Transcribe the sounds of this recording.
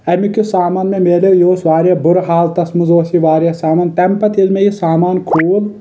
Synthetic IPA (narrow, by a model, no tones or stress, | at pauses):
ɐmikusaːmaːnmemeːlejoːsʋaːɾjabʊɾɦaːlt̪ɐsmuzoːsiʋaːɾijɐsaːmaːnt̪ɛmpɐt̪ilmejisaːmaːnkʰuːl